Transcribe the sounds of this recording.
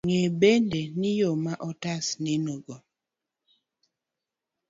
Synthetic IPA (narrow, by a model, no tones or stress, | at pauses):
ŋebendenɪjomaʔɔtasnɪnoɡɔ